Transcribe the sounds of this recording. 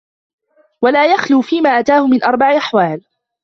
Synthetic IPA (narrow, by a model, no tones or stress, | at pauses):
walaːjaxluːfiːmaːʔat̪aːhʊmɪnʔɑɾˤbaʕʔaħwaːl